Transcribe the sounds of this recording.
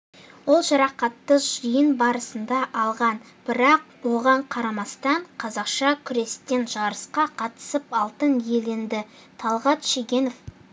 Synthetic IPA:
wo̞lˠʒɑɾɑqɑt̪ːəʒəjənbɑɾəsənd̪ɑʔɑlˠʁɑn | b̥ɪɾɑq̚ | wo̞ʁɑɴqʰɑɾɑmɑst̪ɑɴqʰɑzɑqʃɑkʲʰʏɾe̞st̪e̞nʒɑɾəsqɑqʰɑt̪ə̥səpɑlˠt̪ənje̞le̞nd̪ɪ | t̪ʰɑlˠʁɑt̪ʃeɡʲe̞nof

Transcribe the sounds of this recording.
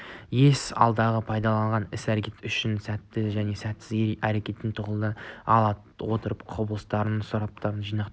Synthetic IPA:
je̞sɑ̰lˠd̪ɑʁəpʰɑjd̪ɑlˠɑɴʁɑnɪsæɾekʲe̞t̪ʏʃɪnsæt̪ːɪʒæne̞sæt̪sɪzæɾe̞kʲe̞t̪ːɪnt̪ʰʊʁəlˠd̪əɑ̰lˠɑ | wo̞t̪əɾəpqʰoblˠəst̪ɑɾənsʊɾɑp̚t̪ɑɾənʒijnɑqt̪

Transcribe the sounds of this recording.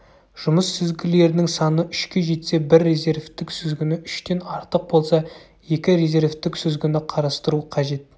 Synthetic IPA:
ʒ̥ʊməsːʏzɡʲɪle̞ɾɪnɪŋsɑnəʔʏʃkʲe̞ʒe̞t̪se̞bɪɾːe̞zʲe̞ɾvt̪ɪksʏzɡʲɪnɪʔʏʃt̪e̞nɑɾt̪əq̚bo̞lˠsɑ | je̞kʲɪɾe̞zʲe̞ɾvt̪ɪksʏzɡʲɪnɪqʰɑɾɑst̪əɾuqʰɑʒe̞t̪̚

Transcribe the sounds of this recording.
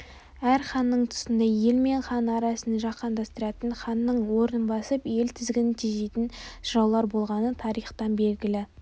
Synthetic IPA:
æɾχɑnːəɴt̪ʰʊ̥sɪnd̪ɑje̞lme̞ɴχɑnɑɾɑsənəʒɑqːɑnd̪ɑst̪əɾɑt̪əɴχɑnːəɴwo̞ɾənənbɑsəpje̞lt̪ʰɪzɡʲɪnɪt̪ʰiʒejt̪ɪnʃɾɑwlˠɑɾbo̞lˠʁɑnət̪ʰɑɾijχt̪ɑnbe̞lɡʲɪlɪ

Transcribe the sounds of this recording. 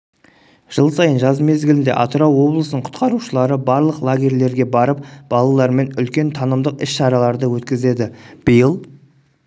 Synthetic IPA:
ʒ̥əlˠsɑjənʒɑzme̞zɡʲɪlɪnd̪e̞̰ʔɑt̪ʊɾɑwːo̞blˠəsənəɴqʰʊ̥t̪qɑɾuʃəlˠɑɾəbɑɾlˠəqlˠaɡʲe̞rle̞ɾɡʲe̞bɑɾəp̚b̥ɑlˠɑlˠɑɾme̞nʏlkʲe̞nt̪ʰɑnəmd̪əqɪsʃɑɾɑlˠɑɾd̪əwɵt̪kʲɪze̞d̪ɪb̥əjəlˠ

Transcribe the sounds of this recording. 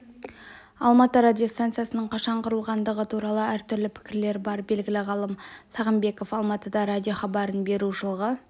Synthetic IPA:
ɑlˠmɑt̪əɾad̪ʲijo̞st̪ant̪sɨjasənəɴqʰɑʃɑɴqʰʊɾəlˠʁɑnd̪əʁət̪ʰuɾɑlˠəæɾt̪ʰʏɾlɪpʰɪ̥kʲɪɾle̞ɾbɑɾbe̞lɡʲɪlɪʁɑlˠəmsɑʁəmbe̞ko̞fɑlˠmɑt̪əd̪ɑɾadʲjo̞χɑbɑɾənbe̞ɾuʒəlˠəʁə

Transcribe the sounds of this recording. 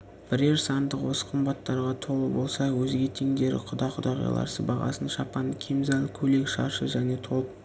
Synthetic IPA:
b̥ɪɾe̞ɾsɑnd̪əqwo̞sə̥qʰəmbɑt̪ːɑɾʁɑt̪ʰo̞lˠəbo̞lˠsɑwɵzɡʲe̞t̪ʰe̞ŋd̪e̞ɾɪ̰qʰʊd̪ɑqʰʊd̪ɑʁɑ̰jlˠɑ̰ɾsə̰bɑʁɑ̰sənʃɑpɑnkʲʰemzɑnkʲʰɵle̞kʃɑ̰ʃəʒæne̞t̪ʰo̞lˠəp

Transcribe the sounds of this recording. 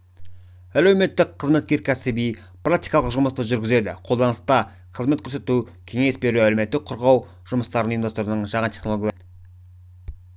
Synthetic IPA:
ælewme̞t̪ːɪkʰːəzme̞t̪̚kʲe̞ɾkʲʰæsɪbij | prakt̪ijkɑlˠəqʒʊməst̪əʒʏɾɡʲɪze̞d̪ɪ̰qʰo̞lˠd̪ɑnəst̪ɑ | qʰəzmet̪kʲʰɵɾse̞t̪u | kʲʰe̞ŋe̞sbe̞ɾuæleme̞t̪ːɪk̚qʰʊɾʁɑw | ʒʊməst̪ɑɾənind̪ost̪oɾənəɴʒɑʁɑnt̪ʲʰeχnooɡʲj̪ˠ

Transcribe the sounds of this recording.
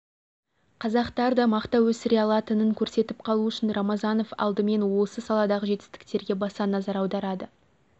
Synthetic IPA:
qʰɑzɑqt̪ɑɾd̪ɑmɑqt̪ɑwɵsɪɾeɑlˠɑt̪ənəŋkʲʰɵɾse̞t̪ɪpqʰɑlˠuʏʃɪnɾɑmɑzɑno̞fɑ̰lˠd̪əme̞nwo̞səsɑlˠɑd̪ɑʁəʒe̞t̪ɪ̥st̪ɪ̥k̚t̪e̞ɾɡʲe̞bɑsɑnɑzɑɾɑwd̪ɑɾɑd̪ə

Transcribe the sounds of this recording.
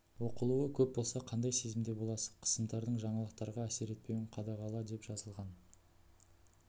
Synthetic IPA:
wo̞qəlˠuwəkʲʰɵp̚bo̞lˠsɑqʰɑnd̪ɑjse̞zɪmd̪e̞bo̞lˠɑsə̥qʰə̥səmd̪ɑɾd̪əɴʒɑɴɑlˠəq̚t̪ɑɾʁɑæse̞ɾe̞t̪̚pe̞mʲɪɴqʰɑd̪ɑʁɑlˠɑd̪e̞pʒ̥ɑzəlˠʁɑn

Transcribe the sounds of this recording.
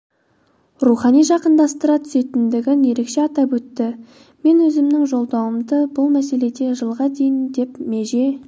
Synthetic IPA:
ruχɑnijʒɑqənd̪ɑst̪əɾɑt̪ʰʏ̥se̞t̪ɪnd̪ɪɡʲɪnje̞ɾe̞kʃe̞ɑt̪ɑpwɵt̪ːɪ | me̞nwɵzɪmnɪŋʒo̞lˠd̪ɑwəmd̪əbʊlˠmæse̞le̞d̪e̞ʒəlˠʁɑd̪e̞jɪnd̪e̞pmeʒe̞

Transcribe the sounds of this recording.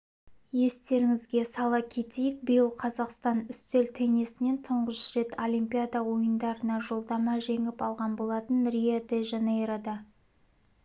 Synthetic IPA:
je̞st̪e̞ɾɪŋɪzɡʲe̞sɑlˠɑkʲʰe̞t̪e̞jɪk̚bɪjəlˠqʰɑzɑqst̪ɑnʏst̪e̞lt̪ʰeŋe̞sɪne̞nt̪ʰʊɴʁəʃʃɾe̞t̪ʰolʲijmpʲijad̪ɑwo̞jənd̪ɑɾənɑʒo̞lˠd̪ɑmɑʒe̞ŋɪpɑlˠʁɑnbo̞lˠɑt̪ənɾʲijed̪eʒenejɾad̪ɑ

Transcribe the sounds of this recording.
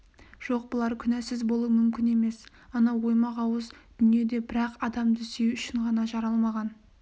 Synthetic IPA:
ʒ̥o̞q̚bəlˠɑɾkʲʰʏnæsɪzbo̞lˠuəmʏmkʲɪne̞me̞s | ɑnɑwo̞jmɑʁɑwəzd̪̥ʏnije̞d̪e̞bɪɾɑqɑd̪ɑmd̪ʏsewʏʃɪɴʁɑnɑʒɑɾɑlˠmɑʁɑn

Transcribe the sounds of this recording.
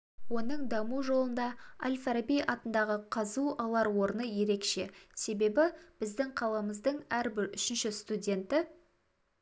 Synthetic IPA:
wo̞nəɴd̪ɑmuʒo̞lˠənd̪ɑa̰lʲfaɾabijʔɑt̪ənd̪ɑʁəqʰɑzuɑlˠɑɾwo̞ɾənəje̞ɾe̞kʃe̞se̞be̞bɪb̥ɪzd̪ɪŋqʰɑlˠɑməzd̪əɴæɾbɪɾʏʃɪnʃɪst̪udʲe̞nt̪ɪ

